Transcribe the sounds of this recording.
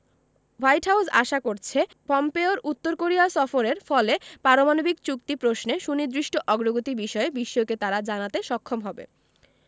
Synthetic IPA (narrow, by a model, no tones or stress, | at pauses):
wajʈɦawsa̰ʃakoɾt͡ɕʰe | pɔmpeoɾʔut̪ːoɾkoɾiasɔfoɾeɾfɔlepaɾomanobikt͡ɕuk̚t̪ipɾosneʃunid̪ɾiʃʈoʔɔɡɾoɡot̪ibiʃɔebiʃːoket̪aɾad͡ʑanat̪eʃɔkʰːomɦɔbḛ